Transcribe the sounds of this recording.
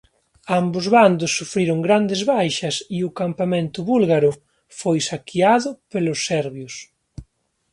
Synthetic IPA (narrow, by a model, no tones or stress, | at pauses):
ambʊzβand̪ʊsːufɾiɾʊŋɡɾand̪ezβajʃɐsiʊkampamẽnt̪ʊβulɣaɾʊ | fojsakʰiaðʊpelʊsːɛɾβjos